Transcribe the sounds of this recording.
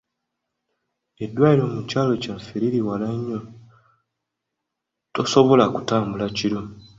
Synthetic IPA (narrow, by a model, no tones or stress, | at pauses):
e̞dːwaːiɾo̞mucaːlo̞caɱfeɾiɾiwalaɲːo | toso̞βo̞lakutaːmbulaciɾo